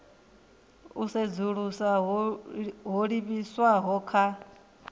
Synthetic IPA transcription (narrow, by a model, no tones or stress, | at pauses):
used͡zuɺusaɦ | ɦoɺiβiswaɦɔkʰa